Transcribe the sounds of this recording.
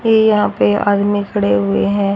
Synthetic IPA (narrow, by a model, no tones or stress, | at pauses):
jeːjɐɦãpea̰ːd̪mĩkʰɐɽeɦʊeɦɛ̃ː